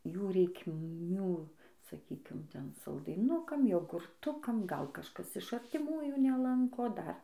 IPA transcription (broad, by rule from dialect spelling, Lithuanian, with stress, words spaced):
ˈjuː rʲɛɪkˈmʲuː sɐˈkʲiːkʲɪm ˈtʲɛn sɐlˠdɐɪˈnʊkɐm joːɡʊrˈtʊkɐm ˈɡɐlˠ kɐʃˈkɐs ɪʃ ɐrʲtʲɪˈmuːjuː nʲɛˈlˠɐŋkoː ˈdɐr